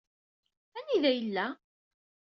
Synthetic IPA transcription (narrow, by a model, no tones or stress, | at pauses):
æniðæjəlːæ